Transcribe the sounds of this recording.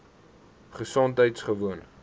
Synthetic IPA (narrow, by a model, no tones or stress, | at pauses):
χəsontɦəjtsχəvuən